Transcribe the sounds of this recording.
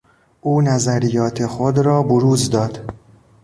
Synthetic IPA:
ʔuːnæzæɾijɒːt̪ʰexod̪ɾɒːboɾuːzd̪ɒːd̪̥

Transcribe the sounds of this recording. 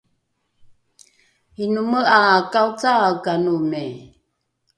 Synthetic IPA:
hinuməʔakawt͡sakanume

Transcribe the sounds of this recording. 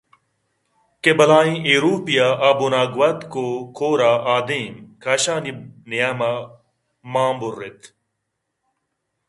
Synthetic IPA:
kebɐlaːĩʔeɾuːpijaʔabunaːɡwɐt̪koːkʰoːɾaːʔaːd̪ĩːmkʰaɕaːninijama | maːmburːet̪ʰ

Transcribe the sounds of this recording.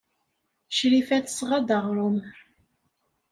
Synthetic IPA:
ʃɾifæt̪sʁɑd̪ɑʁɾˤʊm

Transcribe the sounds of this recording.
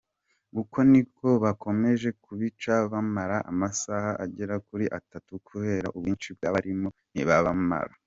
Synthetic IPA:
ɡuko̞nikʰo̞βakʰo̞me̞ʒe̞kuβit͡ʃaβamaɾaʔa̰masahaʔaɟeɾakuɾiʔatatukʰuβe̞ːɾaʔubwiːnt͡ʃib̚ɡaβaɾimo̞n̥iβaβama̰ɾa̰

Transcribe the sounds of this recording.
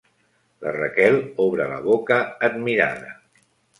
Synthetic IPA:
lərəkɛlˠɔβɾələ̰βokəːd̪miɾa̰ðə

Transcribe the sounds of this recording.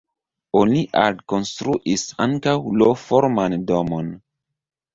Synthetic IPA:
oniʔa̰dko̞nstɾuʔisaŋkawlofoɾmandomon

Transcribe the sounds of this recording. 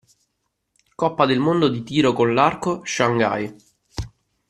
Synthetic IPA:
kɔpːad̪elmond̪od̪it̪iːɾokonlarkoʃaŋɡa̰j

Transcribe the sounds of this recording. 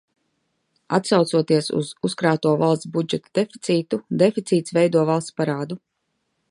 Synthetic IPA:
at̪sawt̪suɔt̪iɛsṵzuskɾaːt̪uɔvalˠst̪sbud͡ʒɛt̪ad̪efi̥t̪siːt̪ud̪efit̪siːt̪svɛjd̪uɔvalˠst̪paɾaːd̪u

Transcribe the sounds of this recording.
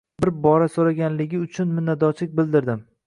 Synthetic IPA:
bɪɾbɒɾasoɾaɡʲanlɪɡʲɪʊt͡ʃʰʊnmɪnːad̪ɒt͡ʃʰlɪk̚ʲbɪld̪ɪɾd̪ɪm

